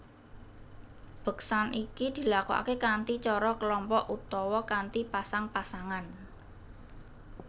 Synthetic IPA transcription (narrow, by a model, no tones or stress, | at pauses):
b̥ə̤ksanikid̪̥i̤lakuʔa̰kekant̪it͡ʃɔɾɔkəlɔmpɔʔut̪ɔwɔkant̪ipasaŋpasaŋan